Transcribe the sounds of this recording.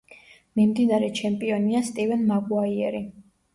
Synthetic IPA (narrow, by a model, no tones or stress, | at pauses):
mimd̪inaɾɛt͡ʃʰɛmpʼiɔniast̪ʼivɛnmaɡwaiɛɾi